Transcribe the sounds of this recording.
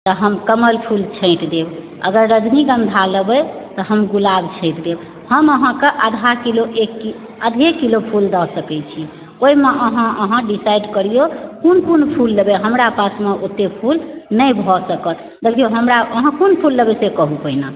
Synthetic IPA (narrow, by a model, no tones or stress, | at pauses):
t̪ɔɦəmkəməlpʰult͡ʃʰə̃ɪt̪d̪eb | ə̰ɡəɾːəd͡ʒniɡə̃nd̪ʱaləbət̪ɔɦəmɡulabt͡ʃʰə̃ɪ̃t̪d̪eb | həməɦãkeʔəd̪ʱakiloʔekːi | əd̪ʱekilopʰuld̪ɔsəkɛt͡ʃʰi | oimeʔəɦãəɦãɖisaiɖkəɾijokunkunpʰulːəbeɦəmɾapasmeʔot̪ːepʰulnəjbʱɔsəkət̪ | d̪ekʰijoɦəmɾaʔəɦãkunpʰulːəbɛsekəɦupəina